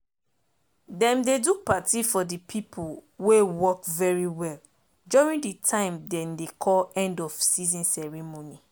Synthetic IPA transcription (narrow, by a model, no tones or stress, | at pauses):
dɛ̃mdedupatifɔdipʰipʰuwewɔkvɛɹiwɛl | d͡ʒuɹĩŋditʰãɪ̃mdɛ̃mdekʰɔlɛ̃ndɔfsizĩnsɛɹimoni